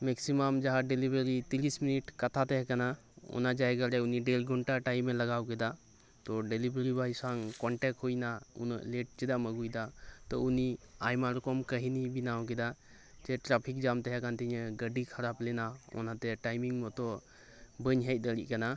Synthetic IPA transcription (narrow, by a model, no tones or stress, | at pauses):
mɛksimamd͡ʒaɦaɖelibɾəɾit̪iɾisminiʈkat̪ʰat̪ɛɦɛkana | ɔ̰nad͡ʒajɡaɾɛuniɖelɡʱɔɳʈaʈajmːɛlaɡawkɛd̪a | t̪ɔɖelibɾəɾibajsaŋkɔɳʈɛk̚ɦujnaṵnɔ̰ʔleʈ̚t͡ʃɛd̪aməɡujd̪at̪ɔuniajmaɾkɔmkəɦinibinawk̬ɛd̪a | d͡ʒɛʈɾapʰik̚d͡ʒamt̪ɛɦɛkant̪iɲɛɡəɖikʰaɾaplɛnaɔ̰nat̪ɛʈajmiŋmɔt̪ɔ | bəɲɦɛc̚ˀd̪əɾḭʔ̚kana